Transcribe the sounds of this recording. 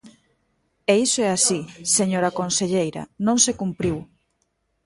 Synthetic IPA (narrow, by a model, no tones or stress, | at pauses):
eisoɛasiseɲoɾakonseʎejɾɐ̰nõŋsekumpɾiw